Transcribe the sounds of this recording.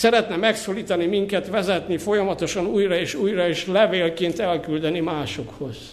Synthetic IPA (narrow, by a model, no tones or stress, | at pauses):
sɛɾɛt̪nɛmɛksoːliːt̪ɒnimiŋkɛt̪ʋɛzɛt̪nifo̞jɒmɒt̪oʃɒnuːjrɒeːʃuːjrɒeːʃlɛveːlkent̪ɛlkyld̪ɛnimaːʃokho̞z̥